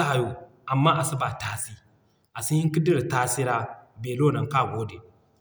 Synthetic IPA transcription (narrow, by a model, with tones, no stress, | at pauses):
a˦a˨jo˨ | ʔa˨mːa˦ʔa˨si˦ba˨taː˦si˦ | ʔa˨si˦hi˦ŋki˦di˦ɾta˦si˦ɾa˦beː˨lo˦˨nɐ˨ŋka˦˨ɡʷoː˦de˨